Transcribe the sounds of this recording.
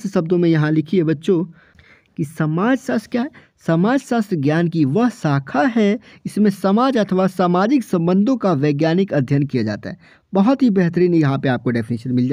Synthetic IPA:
ssɐbd̪õmẽjɐɦãlɪkʰiebɐtːʃo | kisɐmaːd͡ʒsaːst̪ɾkjaːɦɛ | səmaːd͡ʒsaːst̪ɾɡjaːnkiʋəɦsaːkʰaɦɛɪsmẽsɐmaːd͡ʒɐt̪ʰʋasaːmaːd͡ʒɪksɐ̃mbə̃nd̪ʱõkaʋeːɡjaːnɪkɐd̪ʱjənkijad͡ʒa̰ːt̪a̰ɦɛ | bɐɦɔt̪ɦibɛɦt̪̬əɾiːnjɐɦãpeaːp̚koɖɛːpʰɪniːʃənmɪld͡ʒaː

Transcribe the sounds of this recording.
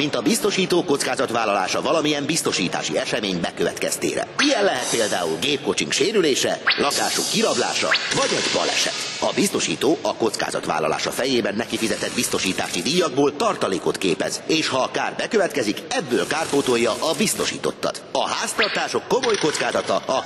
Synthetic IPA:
mint̪ɒbist̪o̞ʃiːt̪oːko̞t̪skaːzɒt̪ʋaːlːɒlaːʃɒvɒlɒmiɛmbist̪o̞ʃiːt̪a̰ːʃḭɛʃɛmeːɲbɛkøvɛ̰t̪kɛ̰st̪ḛːɾɛ̰ijɛnlɛɦɛt̪̚peːld̪aːulɡeːp̚ko̞t͡ʃiŋkʃeːɾyleːʃɛlʔɒkaːʃukːiɾɒbla̰ːʃɒ̰vɒɟɛɟbɒ̰lɛ̰ʃɛ̰t̪ɒbist̪o̞ʃḭːt̪oːʔɒko̞t̪ska̰ːzɒ̰t̪ʋa̰ːlːɒ̰la̰ːʃɒfɛjeːbɛnːɛkifizɛt̪ɛd̪̚bist̪o̞ʃiːt̪a̰ːʃid̪iːjɒɡboːlt̪ɒrt̪ɒleːko̞t̪keːpɛ̰zeːʃhɒkaːrbɛkøvɛt̪kɛzikɛbːøːlkaːrpoːt̪o̞jːɒʔɒbist̪o̞ʃḭːt̪ot̪ːɒ̰t̪ɒɦaːst̪ɒrt̪aːʃo̞kːo̞mo̞jko̞t̪skaːzɒt̪ɒɒ

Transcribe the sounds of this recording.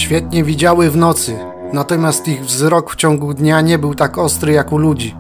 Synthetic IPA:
ɕfʲjɛt̪ɲɛvʲid͡ʑawɘvnɔt̪sɘ | nat̪ɔmʲjast̪iɣvzɾɔkft͡ɕɔŋɡud̪ɲaɲɛbɘwt̪akɔst̪ɾɘjakulud͡ʑi

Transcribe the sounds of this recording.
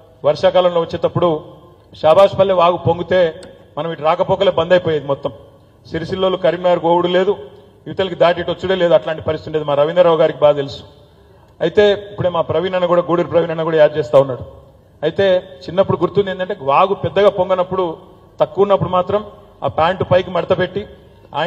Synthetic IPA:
ʋɐɾʂaːkaːlɐmlo̞ːʋɐt͡ʃːeːt̪ɐpːuɽu | ʃaːbaːʂpɐlːeʋaːɡupoŋɡut̪e̞ː | mɐnɐmiʈuɾaːkɐpɔːkɐleːbɐnd̪ɐjpoːjeaːd̪imɔt̪ːɐm | siɾisilːoːlukɐɾimaːɾkoːwuɽule̞ːd̪u | juʋit̪ɐlikid̪aːʈ̬iʈot͡ʃːuɽele̞ːd̪uɐʈlaːɳʈipɐɾisit̪uɳɖed̪imaːɾɐʋind̪ɐɾɐʋɡaːɾikibaːɐelusu̥ | ɐjit̪e̞ːipːuɽe̞ːmaːpɾɐʋinɐnːɐkuːɽaːɡoːɽiɾpɾɐʋiːnɐnɐkuːɽaːjaːd͡ʒt͡ʃɛːst̪aːunːaːɽu | ɐjit̪e̞ːt͡ʃinːɐpːuɽuɡuɾt̪und̪end̪ɐɳʈeːʋaːɡupɛd̪ːɐɡaːpo̞ŋɡɐnɐpːuɽu | t̪ɐkːuunːɐpːuɽumaːt̪ɾɐm | a̰ːpaːɳʈupɐjk̬imɐɽɐt̪ɐpe̞ʈːi | a̰ː

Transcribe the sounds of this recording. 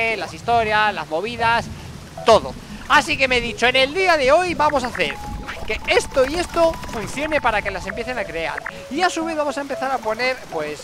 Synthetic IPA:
elasist̪o̞ɾjasla̰zmo̞β̞iðas | t̪o̞ðo̞̰ | asike̞meðit͡ʃo̞ene̞ld̪iaðe̞o̞jβamo̞saθe̞̰ɾke̞e̞st̪o̞ie̞st̪o̞fun̟θjo̞ne̞paɾake̞lase̞mpje̞θe̞nakɾe̞a̰ɾ | iasuβ̞e̞ðβamo̞saempe̞θaɾapo̞ne̞ɾpwe̞s

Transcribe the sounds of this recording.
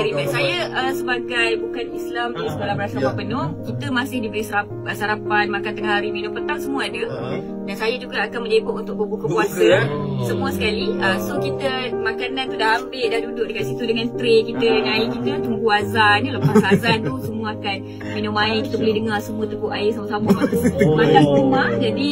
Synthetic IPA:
ɾibasajaʔəsəbaɡajbukanislamiisəkolabəɾasaapanpənɔmkit̪əmasɪhdibəɾisəɾa | əsaɾapanmakant̪əŋahaɾiminʊ̃pənt̪aŋsəmũaadə | dansajad͡ʒuɡaakanməleboʔunt̪ʊʔ̚bobukəkuasasəmũasəkaliəsokit̪əmakanãnt̪udaɦambɪʔdahdudʊʔ̚dəkaʔsit̪udəŋãnt̪ɾekit̪ənaikit̪ənt̪mɡuazanələpaazant̪usəmũaakan | minʊmãɪkit̪əbəlɪhdəŋarsəmũat̪ukʊʔaɪsamasamamatakumad͡ʒadi

